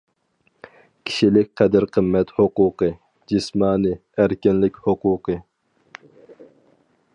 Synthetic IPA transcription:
kʲʰi̥ʃilɪk̚ʲqʰɛd̪ɪɾqʰəmːɛt̪hoquqɨ | d͡ʒismɑːnɨ | æɾkʲɪnlɪkʲhʊquːqʰɨ

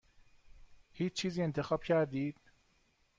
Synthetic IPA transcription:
hiːt͡ʃt͡ʃʰiːziːe̞nt̪ʰe̞xɒːb̥cʰæɾd̪iːd̪̥̚

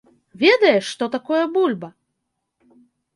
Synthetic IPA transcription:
vʲed̪ɐjɛʂt̪ɔt̪akɔjɐbulʲbɐ

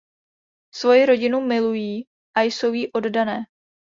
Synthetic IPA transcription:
svo̞jɪɾo̞ɟɪnumɪlujiː | ʔajso̞wjiʔo̞ddanɛː

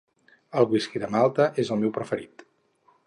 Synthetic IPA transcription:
əlˠβiskiðəmalˠt̪əʔezəlˠmewpɾəfəɾit̪

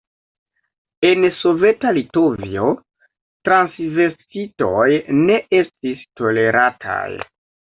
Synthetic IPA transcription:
e̞nso̞ve̞talito̞vio | tɾansve̞ɾsito̞jne̞ʔe̞stisto̞le̞ɾatʰa̰j

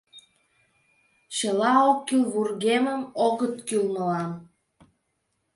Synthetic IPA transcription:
ʃəlɑokːylβurɣeməmoɣət̪kylməlɑn

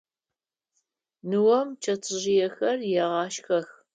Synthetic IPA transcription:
nɨwɐmt͡ʃʰɐt͡sʰʼɨʑɪjɛxɐrjɛʁɑːʃxɐx

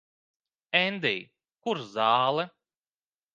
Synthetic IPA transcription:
ɛnd̪ɛj | kuɾzaːlˠɛ

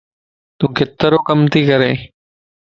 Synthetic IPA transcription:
t̪ũːkɪt̪ːəɾoːkəmt̪iːkəɾeː

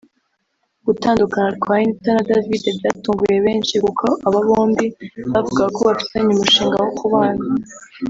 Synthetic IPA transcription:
ɡ̥utaːndukanaɾkwajinitanadavidebjaːtuːŋɡuje̞βe̞ːnʃikukʰoʔaβaβoːndiβavuɡako̞βafi̥seɲumuʃiːŋɡawokʰuβaːna

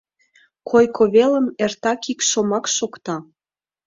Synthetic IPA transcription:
kʰojkʰoβeləmert̪ɑkikʃomɑkʃokt̪ɑ

